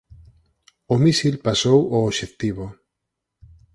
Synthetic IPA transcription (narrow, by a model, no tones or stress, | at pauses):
omisilpasowoːʃekt̪iβo